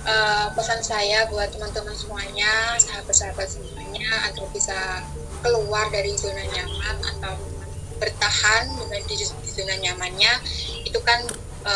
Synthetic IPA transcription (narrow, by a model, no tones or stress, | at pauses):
ʔəpəsansajabuat̪̚təmant̪əmansəmuaɲasaɦakəsəɾabat̪̚səmuaɲaa̰nt̪aɾabisa | kəluardaɾizilnaniamana̰t̪awmanbərt̪ahandəmandiizunanjamanɲait̪ukan | ʔə